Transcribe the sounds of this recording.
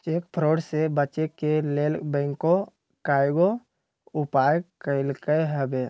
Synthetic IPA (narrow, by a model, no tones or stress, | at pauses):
t͡ʃeːkpʰɾoːɖsebət͡ʃekelelbɛ̃ːŋko | kaːjɡo | ʊpaːjkəɪlkəɦɛbeː